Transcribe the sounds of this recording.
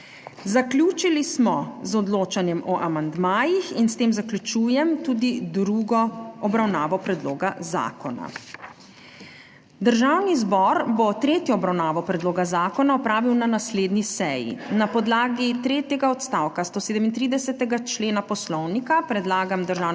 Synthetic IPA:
zaklʲjuːt͡ʃilismɔzɔd̪loːt͡ʃanjɛmɔʔamand̪maːjixinst̪eːmzaklʲut͡ʃuːjɛmt̪uːd̪id̪ɾuɡɔɔbɾawnaːʋɔpɾɛd̪loːɡaza̰ːkɔna̰ | d̪əɾʒaːwnizbɔɾbɔt̪ɾeːt̪jɔɔbɾawnaːʋɔpɾɛd̪loːɡazaːkɔnaɔpɾaːʋiwnanasleːd̪nisɛjḭnapɔd̪laːɡit̪ɾeːt̪jɛɡaɔt̪st̪aːwkast̪oːseːd̪ɛmint̪ɾiːd̪ɛsɛt̪ɛɡat͡ʃleːnapɔslɔwnikapɾɛd̪laːɡamd̪əɾʒaːwn

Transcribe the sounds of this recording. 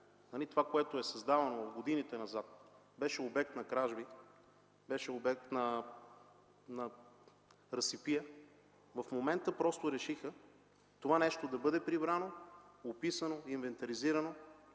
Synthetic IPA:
nɐlit̪ovakoɛt̪oɛsɐzd̪avɐnovɐfɡod̪init̪ɛnɐzat̪̚ | bɛʃɛobɛk̚t̪nɐkɾaʒbi | bɛʃɛobɛk̚t̪nɐ | nɐ | ɾɐsipijə | vɐfmomɛnt̪əpɾɔst̪oɾɛʃixə | t̪ovanɛʃt̪od̪ɐbɤd̪ɛpɾibɾanoopisɐnoinvɛnt̪ɐɾiziɾɐno

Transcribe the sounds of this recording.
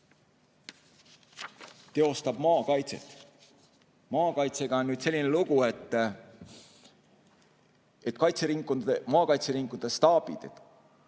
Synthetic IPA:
t̪e̞o̞st̪ɑb̥mɑːkɑjt̪se̞̰t̪ˑ | mɑːkɑjt̪se̞ɡ̥ɑonnːyːd̪̥selːine̞luɡ̥ue̞t̪ː | et̪ˑkɑjt̪seɾiŋkuemɑːkɑjt̪seɾiŋkˑud̪̥est̪ɑːb̥ḭd̪̥et̪

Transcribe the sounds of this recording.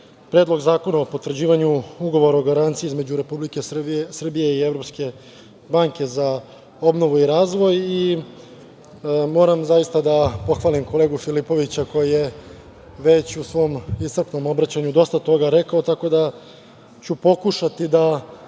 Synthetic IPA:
pɾeːd̪lˠo̞ɡzaːko̞naopot̪ʋr̩d͡ʑiːʋaɲuuɡo̞ʋo̞ɾaoɡaɾant̪sieizme̞d͡ʑuɾe̞publikessr̩bije̞ievɾo̞pske̞ | baŋke̞za | o̞bno̞ʋuiɾaːzʋo̞ji | mo̞ːɾamzajist̪ad̪apo̞xʋaːlimko̞le̞ːɡufilipo̞ʋit͡ɕako̞jije̞ | ʋe̞t͡ɕusʋo̞ːmist̪r̩pno̞mo̞bɾat͡ɕaɲud̪o̞st̪at̪o̞ɡaɾekaot̪ako̞d̪a | t͡ɕupo̞kuʃat̪id̪a

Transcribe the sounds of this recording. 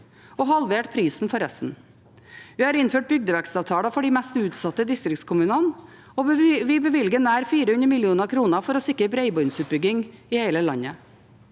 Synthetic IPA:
ɔːhɑlʋeːʈpʰɾiːsn̩fɔɾɛst̪n̩ | ʋiːhɑːɾɪnføːʈ̚bʏɡ̚d̪əʋækst̪ɑːʋt̪ʰɑːləfɔɖiːmɛst̪ʉːt̪sɑt̪ːəd̪ɪst̪ɾɪkt̪skʰʊmʉːnən | oʋɪbəʋɪlɡənæːɾfiːɾəʉnəɾmɪljuːnəkʰɾuːnəfɔɾɔsɪkɾəbɾeɪbɔʏnsʉt̪̚bʏɡɪŋɪːheɪləlɑɲə

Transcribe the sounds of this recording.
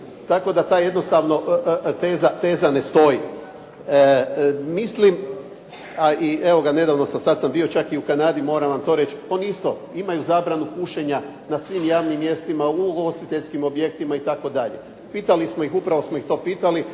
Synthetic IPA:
t̪ako̞d̪at̪aːje̞d̪no̞st̪aʋno̞ʔt̪eːzat̪e̞ːzane̞st̪o̞ji | mislim | aie̞ʋo̞ɡane̞d̪aːʋno̞samsad̪sambio̞t͡ʃakiukanaːd̪imo̞ɾaʋamt̪o̞ɾe̞t͡ʃo̞niist̪o̞ | imajuzaːbɾanukuʃe̞ɲa | nasʋimjaːʋnimːje̞st̪imauɡo̞st̪it̪eʎskimo̞bjek̚t̪imait̪ako̞d̪aʎḛ | piːt̪alismojixupɾaʋo̞smo̞ixt̪o̞ːpiːt̪ali

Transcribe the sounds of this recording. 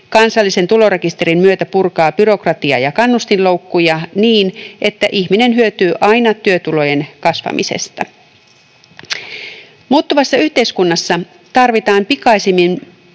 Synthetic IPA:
kɑnsɑlːise̞nt̪ulo̞re̞kist̪e̞ɾimmyøt̪æpurkɑːb̥yɾo̞krɑt̪iɑ̰jɑkɑnːust̪inlo̞wkːujɑniːnʔe̞t̪ːæʔiçmine̞nɦyøt̪yːʔɑjnɑt̪yøt̪ulo̞je̞nkɑsʋɑ̰mḭse̞̰st̪ɑ | muːt̪ːuʋɑsːɑyht̪e̞iskunːɑsːɑ | t̪ɑrʋit̪ɑːmpikɑisimːin

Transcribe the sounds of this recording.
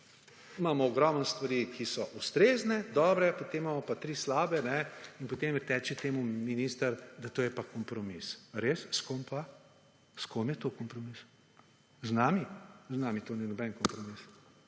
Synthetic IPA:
maːmɔːɡɾɔmənst̪ʋaɾiːkisɔʔust̪ɾeːznɛd̪ɔːbɾɛpot̪emːamɔpat̪ɾiːslaːbɛnɛinpot̪eːmt̪ɛːt͡ʃɛt̪eːmuminiːst̪əɾd̪at̪oːjɛpakɔmpɾɔmisɾesskompa | skomjɛt̪oːkɔmpɾɔmis | znaːmiznaːmit̪oːninɔbɛnkɔmpɾɔmis

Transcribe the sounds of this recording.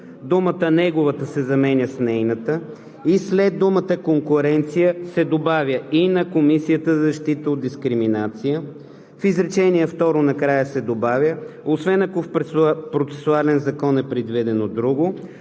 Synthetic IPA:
d̪umət̪ənɛɡʊvət̪əsɛzɐmɛnʲəsnɛjnət̪ə | islɛd̪̚dːumət̪əkoŋkʊɾɛnt̪sijəsɛd̪obavʲjəinɐkomisijət̪əzɐzɐʃt̪it̪əod̪d̪iskɾiminat̪sijə | fizɾɛt͡ʃɛniɛft̪ɔɾʊnɐkɾajəsɛd̪obavʲjəosvɛnɐkofppɾot̪sɛ̥sualɛnzɐkɔnɛpɾɛd̪vid̪ɛnod̪ɾuɡʊ

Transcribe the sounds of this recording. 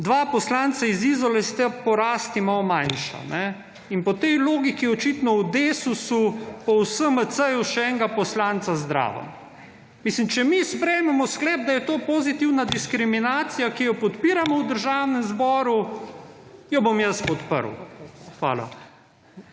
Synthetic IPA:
d̪ʋapɔslaːnt̪saizizɔlɛst̪ɛpɔɾaːst̪imawmajnʃa̰nɛ | inpɔt̪ɛjloːɡikiɔt͡ʃit̪nɔwd̪eːsusupɔwsəmət̪səjuʃɛɛŋɡapɔslaːnt̪sazd̪ɾa̰ːʋə̰n | miːslimt͡ʃɛmispɾɛjmɛmɔsklɛːb̚d̪ajɛt̪oːpozit̪iwnad̪iskɾiminaːt̪sijakijɔpɔt̪piːɾamɔwd̪əɾʒaːwnɛmzbɔːɾu | jɔbomjəspɔt̪pə̰ɾwxʋa̰ːla̰

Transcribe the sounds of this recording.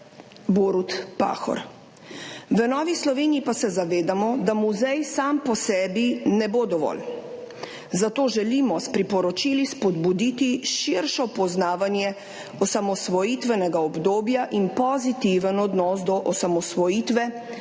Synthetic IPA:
boːɾut̪pa̰ːxɔ̰ɾ | ʋənɔːʋislɔʋeːniipasɛzaʋeːd̪amɔd̪amuzɛjsampɔsɛːbinɛboːd̪ɔʋɔ̰l | zat̪oːʒɛlimɔspɾipɔɾɔt͡ʃilispɔd̪bud̪it̪iʃiɾʃɔpɔznaːʋanjɛ | ɔsamɔsʋɔjit̪ʋɛnɛɡaɔbd̪oːbjaʔinpɔzit̪iʋənɔd̪nɔːsd̪ɔʔɔsamɔsʋɔjiːt̪ʋɛ

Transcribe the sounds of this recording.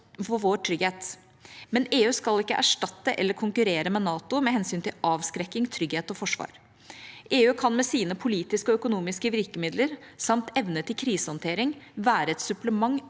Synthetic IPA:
fɔʋoːʈʰɾʏɡheːt̪ | mɛneːʉːskɑlɪkːə̰ʔæ̰ʂʈɑt̪ːəʔɛlːəɾkʰʊŋkʉɾeːɾəmɛnɑːt̪ʊmɛɦɛnsyːnt̪ʰɪlɑːʋskɾɛkːɪŋt̪ʰɾʏɡheːt̪ɔfɔʂʋɑ̰ːɾ | ʔeːʉːkʰɑnmɛsiːnəpʰʊliːt̪ɪskəɔœkʊnuːmɪskəʋɪɾkəmɪd̪ləɾsɑmt̪ɛʋnət̪ɪlkʰɾiːsəhɔnt̪ʰeːɾɪŋʋæːɾəɛt̪sʉpləmɑŋː

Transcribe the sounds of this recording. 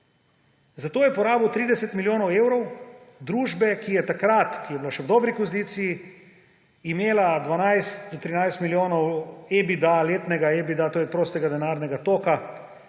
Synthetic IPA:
zat̪oːjɛpɔɾaːbɔwt̪ɾiːd̪ɛsɛt̪miljoːnɔweːwɾɔwd̪ɾuːʒbɛkijɛt̪akɾat̪kijɛbilaʃɛwd̪ɔːbɾikɔzlit̪siː | meːlad̪ʋanajst̪d̪ɔt̪ɾinajst̪miljoːnɔwebid̪aleːt̪nɛɡaebid̪at̪oːjɛt̪ɾoːst̪ɛɡad̪ɛnaːɾnɛɡat̪oːka

